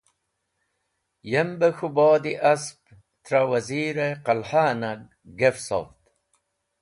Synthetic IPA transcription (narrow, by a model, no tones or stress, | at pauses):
jembexuboːd̪iʔɐsp̚ | t̪ɾawɐziːɾeqalħaːnaɡ̚ | ɡefso̰ft̪